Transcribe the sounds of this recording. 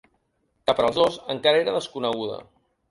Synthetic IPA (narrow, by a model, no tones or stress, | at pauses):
kapəɾəːlˠzðozəŋkaɾəeɾəðəskunəɣ̞uðə̰